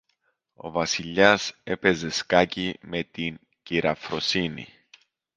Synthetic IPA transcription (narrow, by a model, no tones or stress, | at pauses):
o̞vɐsiʎːɐse̞pe̞ze̞skɐcime̞t̪in | ciɾɐfɾo̞sinḭ